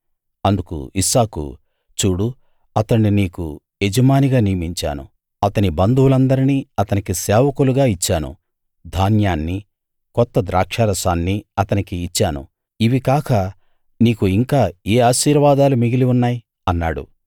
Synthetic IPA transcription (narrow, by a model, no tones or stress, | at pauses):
ɐnd̪ukṵisaːkṵ | t͡ʃuːɽu | ɐt̪ɐɳːiniːkṵ | ed͡ʒɐmaːniɡaːniːmiɲt͡ʃa̰ːnṵ | ɐt̪ɐnibɐnd̪uwulɐnd̪ɐɾiniːɐt̪ɐnikisɛːʋɐkuluɡaːit͡ʃːaːnṵ | d̪ʱaːnjaːnːi | kɔt̪ːɐd̪ɾaːkʂɐɾɐsaːnːiɐt̪ɐnikiːt͡ʃːaːnṵ | iʋikaːkɐ | niːkuiŋkaːeːaːʃiːɾʋaːd̪aːlumiɡiliunːaːji | ɐnːaːɽṵ